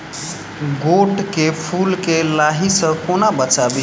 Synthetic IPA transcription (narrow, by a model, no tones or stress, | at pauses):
ɡoʈkepʰulkelaɦisəkonabət͡ʃabi